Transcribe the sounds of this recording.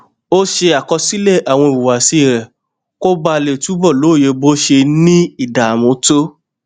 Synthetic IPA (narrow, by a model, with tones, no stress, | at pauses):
o˦ʃe˧a˨kɔ˧si˦le˦˨ʔa˨w̃ɔ̃˧i˨wu˨wa˨si˧˦˨ɾɛ˨ | ko˦ɡ͡ba˧le˨tu˨˦bɔ˦˨lo˨˦˨je˨˧bo˦ʃe˧nĩ˦i˦˨da˨mõ˨˦to˦